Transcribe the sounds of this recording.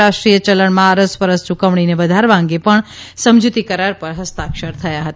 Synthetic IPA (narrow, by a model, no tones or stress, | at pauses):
aʂʈɾijət͡ʃələɳmãəɾəspəɾəst͡ʃukəʋɳineʋəd̪ʱaɾʋãŋ̆ɡepəɳ | səmd͡ʒut̪ikəɾaɾpəɾɦəst̪akʃəɾt̪ʰəjaɦət̪a